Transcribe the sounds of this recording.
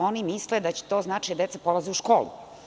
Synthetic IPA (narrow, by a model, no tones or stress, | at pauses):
o̞nimisled̪at͡ɕe̥t̪oːznaːt͡ʃiad̪e̞t̪sapolˠaziuʃko̞ːlṵ